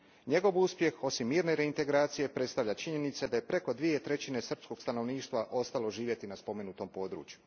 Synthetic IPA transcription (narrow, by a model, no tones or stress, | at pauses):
ɲe̞ɡo̞ʋuspje̞xo̞simːiːɾne̞ɾe̞int̪e̞ɡɾaːt̪sije̞pɾe̞t̪st̪aʋʎat͡ʃiɲe̞nit̪sed̪aje̞pɾe̞ko̞d̪ʋijet̪ɾe̞t͡ɕine̞sr̩psko̞ɡst̪ano̞ʋniːʃt̪ʋaʔo̞st̪alˠo̞ʒiːʋje̞t̪inaspo̞me̞nut̪o̞mpo̞ːd̪ɾṵːt͡ɕju